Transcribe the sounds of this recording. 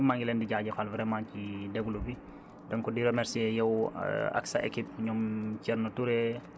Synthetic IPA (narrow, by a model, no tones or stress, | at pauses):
maŋɡilɛndiɟaɟɛfalvɾɛmãːcidɛɡulubi | dɔŋkɔdiɾomɛɾsiɛjɐwa̰ksa̰ʔḛkip̚ɲɔmcɛrnotuɾɛ